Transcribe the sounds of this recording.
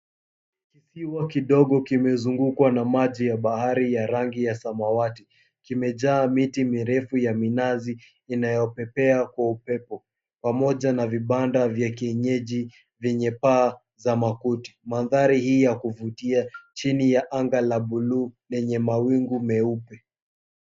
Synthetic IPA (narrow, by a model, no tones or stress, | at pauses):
kisiwakiɗɔɠɔkimɛzuŋɡukwanamaʄijaɓahaɾijaɾaŋɡijasamawati | kimɛʄaːmitimiɾɛfujaminaziː | najɔpɛpɛakwaupɛpɔ | pamɔʄanaviɓandavjakiɛɲɛʄi | vjɛɲɛpaː | zamakuti̥maðaɾihiːjakuvutiat͡ʃinijaʔaŋɡalaɓululɛɲɛmawiŋɡumɛupɛ